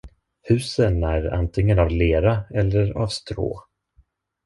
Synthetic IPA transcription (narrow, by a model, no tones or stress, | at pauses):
hʉ̟ːsənæɾa̰nt̪ʰɪŋːənavleːɾaɛlːəɾa̰vst̪ɾo̰ː